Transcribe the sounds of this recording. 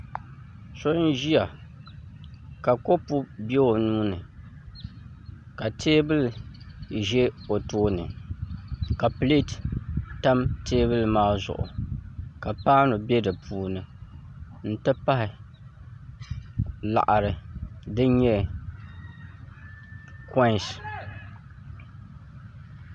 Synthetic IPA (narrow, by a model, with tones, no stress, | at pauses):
so˦n˦ʒi˦a˨ | ka˨ko˦pu˦bɛ˦o˨nuː˦nɨ˨ | ka˨tʰeː˦bɨ˦l | ʒɛ˦o˨toː˦nɨ̰˨ | ka˨pli˦tta˦mteː˦βɨ˦lmaː˦zʊ̰˨ʔʊ̰˨ka˨paː˦nʊ˨bɛ˦dɨ˨pʰuː˨nɨ˨ | n̩˦tɨ˦pa˦hɪ˨ | la̰˨ʔa˨ɾɨ˨dɨ˦ɲɛ˦ | ka˦˨s